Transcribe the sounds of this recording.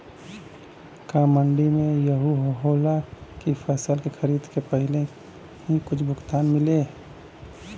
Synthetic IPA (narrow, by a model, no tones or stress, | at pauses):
kaːməɳɖimẽjɐɦuɦɦoːlakifɛːsəlkexɐɾiːd̪kepəɦɪle | ɦikʊt͡ʃʰbʱʊkt̪aːnmɪle